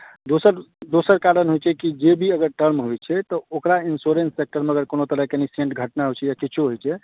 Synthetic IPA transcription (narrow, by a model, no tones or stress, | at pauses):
d̪osəɾd̪osəɾkaɾənɦojt͡ʃʰɛkid͡ʒebʱiəɡəɾʈəɾmɦojt͡ʃʰɛt̪ɔokɾainsoɾensːek̚ʈəɾmeəɡəɾkonot̪əɾəɦkeniseɳʈɡʱəʈnaɦojt͡ʃʰɛjakit͡ʃʰoɦojt͡ʃʰɛ